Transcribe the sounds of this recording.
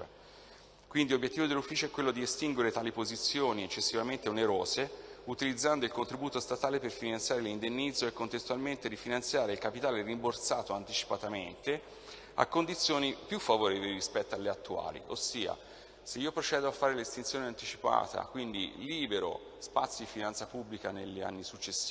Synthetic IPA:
kwind̪ilobjet̪ːiːvod̪elːufːiːt͡ʃoɛkːwelːod̪iest̪iŋɡweɾet̪aːlipozit̪sːjoːniet͡ʃːesːivament̪eoneɾoːzeut̪ilid̪zːand̪oilkont̪ɾibuːt̪ost̪at̪aːleperfinant̪sjaːɾelind̪enːid̪zːoekːont̪est̪ualment̪eɾifinant̪sjaːɾeilkapit̪aːlerimbort̪saːt̪oant̪it͡ʃi̥pat̪ament̪e | a̰kːond̪it̪sːjoːnipjufːavoɾɛːvoliɾispɛt̪ːoalːeat̪ːua̰ːlḭʔosːiːa̰ | seiːopɾot͡ʃɛːd̪oafːaːɾelest̪int̪sjoːneant̪it͡ʃipa̰ːt̪a̰kwind̪ḭliːbeɾo̰ | spat̪sjod̪ifinansapubːlikanḛʎːia̰nːisut͡ʃːesːi̥

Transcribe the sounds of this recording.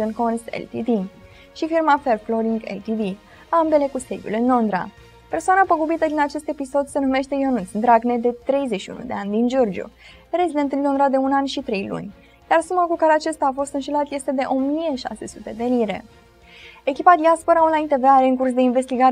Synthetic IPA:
onkonst̪ḛlt̪it̪i | ʃifirmafe̞rflo̞ɾiŋɡḛlt̪id̪i | ambe̞le̞kused̪ʲjṵlɨnlo̞nd̪ɾa̰ | pe̞rsoanapəɡubit̪əd̪inat͡ʃe̞st̪e̞piso̞d̪se̞nume̞ʃt̪e̞jonusd̪ɾaɡne̞d̪e̞t̪ɾe̞jzeʃiṵnṵd̪e̞anʲd̪ind͡ʒo̞rd͡ʒṵ | ɾezid̪e̞nt̪ɨnlo̞nd̪ɾad̪e̞unanʲʃit̪ɾe̞jlṵnʲ | jarsumakukaɾeat͡ʃast̪aːfo̞st̪ɨnʃelat̪je̞st̪e̞d̪e̞ʔo̞mije̞ʃa̰se̞su̥t̪e̞d̪e̞liɾe̞̰ | e̞kʲipad̪iaspo̞ɾaunlajnt̪e̞veaɾe̞ɨŋkursd̪e̞inve̞st̪iɡaɾ

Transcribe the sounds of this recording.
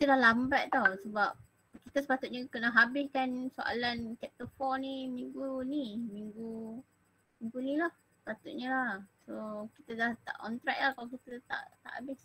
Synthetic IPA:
kit̪ədahlambaʔt̪awsəbap̚ | kit̪əsə̥pat̪ʊt̪̚ɲə̃kənaɦabɪskansoʔa̰lankɛp̚t̪əfɔnimiŋɡunimiŋɡu | mĩŋɡunĩlahsə̥pat̪ʊt̪̚ɲəlahsoki̥t̪ədaht̪a̰ʔɔ̰nt̪ɾaʔ̚lahkalakit̪ət̪a̰ʔt̪a̰ʔa̰bɪs

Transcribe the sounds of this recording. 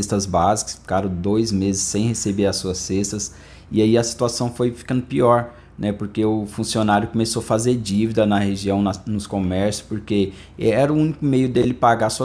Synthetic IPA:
est̪ɐzbazikɐ̥sfi̥kaɾɐ̃w̃d̪ojzmezɪsːẽj̃hesebeɾɐsuɐsːest̪ɐs | ɪaiɐsi̥t̪uasɐ̃w̃fojfi̥kɐ̃nd̪ʊpiɔɾ | nʔɛpoɾkeʊfũsionaɾjʊkomesoɐfazeɾd͡ʒivid̪ɐnɐheʒiɐ̃w̃nɐnʊskomɛɾsjʊ̥spoɾke | ɛɾɐʊũnikʊmejʊd̪elɪpaɡasuɐ

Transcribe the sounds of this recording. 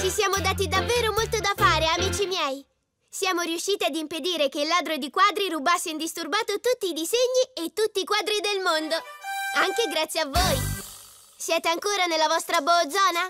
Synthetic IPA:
t͡ʃisjaːmod̪aːt̪̬id̪avːeːɾomolt̪od̪afaːɾeamiːt͡ʃimjɛːji | sjaːmoɾiuʃːiːt̪iad̪imped̪iːɾekeilːaːd̪ɾod̪ikwaːd̪ɾiɾubasːeind̪ist̪urbaːt̪ot̪ut̪ːiːd̪izeɲːiet̪ːut̪ːiːkwaːd̪ɾid̪elmond̪oaŋk̟eɡɾat̪sjeavːoːj | sjɛːt̪eaŋkoːɾanelːavɔst̪ɾabod̪zɔːna

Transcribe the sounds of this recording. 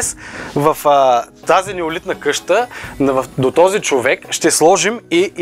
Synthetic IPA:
svəfət̪azinɛʊlit̪nəkɤʃt̪ənvd̪ot̪ɔzit͡ʃovɛkʃt̪ɛslˠɔʒimi

